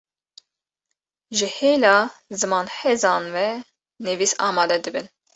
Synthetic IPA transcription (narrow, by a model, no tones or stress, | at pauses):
ʒɨheːlɑːzɨmɑːnħezɑːnvɛ | nɨvisɑːmɑːd̪ɛd̪ɨbɨn